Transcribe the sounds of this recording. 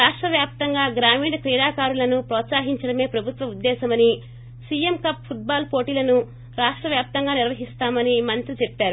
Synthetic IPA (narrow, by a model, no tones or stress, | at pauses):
ɾaːʂʈɾɐʋjaːp̚t̪ɐŋɡaːɡɾaːmiːɽɐkɾiːɽaːkaːɾulɐnupɾɔːt̪saːɦiɲt͡ʃɐɽɐme̞ːpɾɐbʱut̪ʋɐud̪ːɛːsɐmɐni | siːjemkɐpʰːuʈ̚baːlpo̞ːʈiːlɐnu | ɾaːʂʈɾɐʋjaːp̚t̪ɐŋɡaːniɾʋɐɦist̪aːmɐnimɐnt̪ɾit͡ʃɛpːaːɾu